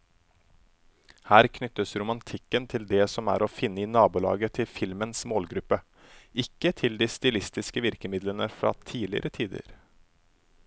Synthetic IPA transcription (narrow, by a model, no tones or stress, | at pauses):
hæːɾkʰnʏt̪ːəsɾʊmɑnt̪ʰɪkːənt̪ʰɪld̪ɛsɔmæ̰ːɾofɪnːəɪnɑːbʊlɑ̰ːɡət̪ʰɪlfɪlmənsmoːlɡɾʉpːə | ʔɪkːət̪ʰɪld̪iːst̪ɪlɪst̪ɪskəʋɪɾkəmɪd̪lənəfɾɑ̰ːt̪ʰiːlɪə̰ɾət̪ʰiːd̪ə̰ɾ